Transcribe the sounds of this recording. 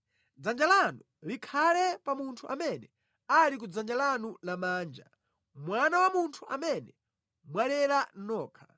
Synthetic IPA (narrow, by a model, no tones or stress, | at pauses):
d͡zand͡ʒalanu | likʰalɛpamuntʰuʔamɛnɛ | alik̬ud͡zand͡ʒalanulamaːnd͡ʒa | mwanawamuntʰuʔamɛnɛ | mwalɛɾanɔːkʰḁ